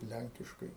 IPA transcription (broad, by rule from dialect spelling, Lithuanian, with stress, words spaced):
ˈlʲæŋʲkʲɪʃkɐɪ